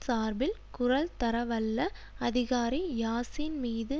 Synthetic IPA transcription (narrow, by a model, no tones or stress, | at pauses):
saːɾbɪlkʊɾɐlt̪ɐɾɐʋɐlːɐ | ɐðɪɣaːɾijaːsɪnmiːðɯ